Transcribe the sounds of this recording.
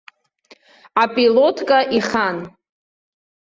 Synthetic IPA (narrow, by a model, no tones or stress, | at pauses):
apʼilotʰʼkʼaʔiχan